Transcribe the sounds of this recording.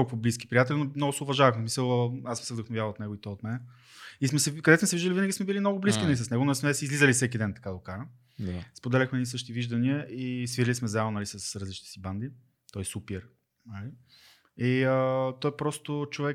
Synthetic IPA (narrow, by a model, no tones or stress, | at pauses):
kɔlˠkovoblis̬kʲi̥pɾijat̪ɛlʲinomnɔɡʊsɛoʊvɐʒavɐxmɛsmisəlˠasmsɛvd̪əxnovjavɐlˠot̪nɛɡoit̪ɔot̪mɛnɛ | ismɛsɛkɐd̪ɛtsmɛsɛviʒd̪əlivinəɡʲismɛbilimnɔɡʊbliskʲinɐlisɐsnɛɡʊnsmɛsizlizəlifsɛk̬id̪ɛnt̪ɐ̥kad̪əʊkaɾ | spod̪ɛlʲɐxmɛnisɤʃit̪iviʒd̪ɐniəʔisviɾilismɛzɛlˠonɐlisəsɾəɐzlit͡ʃnɛsiband̪i | t̪ɔjsupɛɾ | nali | iət̪ɔjpɾɔst̪ot͡ʃovɛk